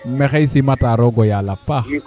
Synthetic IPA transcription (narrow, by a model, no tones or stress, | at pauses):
m̩mɛxɛisimataɾɔɡɔjalapa